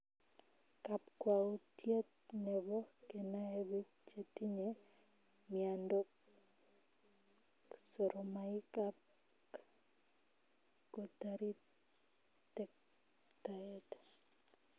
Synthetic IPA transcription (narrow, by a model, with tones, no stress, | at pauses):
kap̚kwaotje˦t̪̚ | nɛ˨bɔ˦ke˨na˦e˦wi˦ | t͡ʃe˨ti˦ɲe | miando˦k | so˨ɾʔomaɪ˦kap̚ | ko˨taɾi˦ | tɛk̚ | taɛt